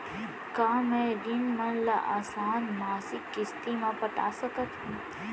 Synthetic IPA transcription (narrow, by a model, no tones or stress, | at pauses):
kaːmẽɾinmənlaʔaːsaːnmaːsɪkːɪst̪imãpəʈa̰ːsəkət̪ɦũː